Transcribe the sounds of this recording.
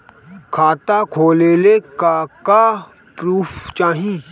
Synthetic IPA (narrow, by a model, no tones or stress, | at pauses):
kʰaːt̪akʰoːleːlekaka | pɾuːpʰt͡ʃaːɦĩ